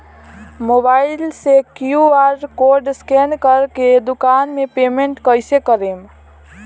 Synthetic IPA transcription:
mobailsekjuaɾkoɾɖskenkəɾked̪ukanmepemeɳʈkəjsekəɾem

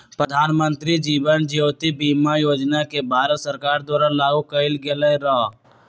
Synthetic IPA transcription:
pɾəd̪ʱaːnmə̃nt̪ɾid͡ʒiːʋənd͡ʒijoːt̪ibiːmajoːd͡ʒnakebʱaːɾət̪səɾkaːɾd̪ɔːɾanlaːɡukəɪlɡeleɾa

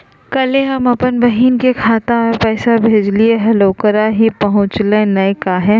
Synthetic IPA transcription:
kɐleɦɐmɐpənbɐɦiːnkekʰaːt̪ãmẽpɛːsabʱeːd͡ʒlieɦɛloːkəɾaɦipɐɦʊ̃t͡ʃlẽnɐkaɦɛː

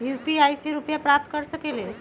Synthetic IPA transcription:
jupiajseɾupjapɾap̚t̪kəɾsəkele

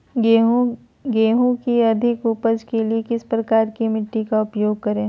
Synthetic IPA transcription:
ɡeːɦũkiɐd̪ʱɪkuːpəd͡ʒkeliekɪspɾɐkaːɾkimɪʈːikaʊpjoːɡ̚kɐɾẽː

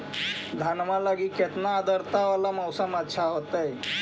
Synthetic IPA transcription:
d̪ʱanmalaɡiket̪naːd̪əɾt̪aʋalaməwsəmətːʃʰaɦot̪əj

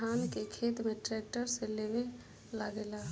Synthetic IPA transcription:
aːnkekʰeːt̪mẽʈɾɛːʈəɾseleʋe | ləɡelaː

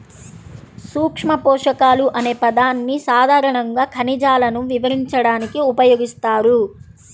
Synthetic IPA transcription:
suːkʂmɐpɔːʂɐkaːluʔɐne̞ːpɐd̪aːnːisaːd̪ʱaːɾɐɳɐŋɡaːkʰɐnid͡ʒaːlɐnuʋiʋɐɾiɲt͡ʃɐɽaːnikiupɐjoːɡist̪aːɾu

